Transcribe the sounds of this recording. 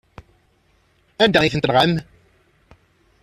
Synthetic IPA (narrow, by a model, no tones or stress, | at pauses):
ænd̪æiθənt̪əɾʁæm